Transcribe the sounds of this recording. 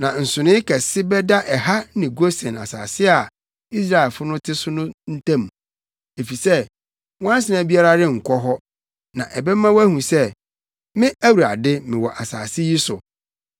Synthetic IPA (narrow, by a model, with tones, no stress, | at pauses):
nã˨n̩˨sʊ˨nɪ̃˦kʰɛ˨sɪ˦bɛ˦da˦ʔɛ˨ha˦nɪ̃˨ɡo˦sɛ̃˨na̰˨sa̰ː˨sɪ˦a˨ | i˦s̬ɾa˦ɛ˨lfʊ˦nʊ̃˦tʰɪ˦sʊ˦nʊ̃˦n̩˦tʰã˦m˨ | e˨fi˨sɛ˦ | wɔ̃˦ã˦n˦s̬ɪ˨nã˨˦bi˦a˦ɾa˦ɾɪ˦ŋ̩˨kʰɔ˦ɦɔ˦ | nã˨ʔɛ˨bɛ˦mã˦wæ˦hũ˨sɛ˦ | mɪ̃˦æ˦wu˨ɾa̰˨dɪ˦mɪ̃˨wɔ˨ʔa˨saː˨sɪ˦ji˦sʊ˨